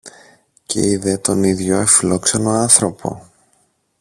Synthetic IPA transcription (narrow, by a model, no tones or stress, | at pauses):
ce̞̰iðe̞t̪o̞niðʝo̞efilo̞kseno̞ɐnθɾo̞pʰo̞̰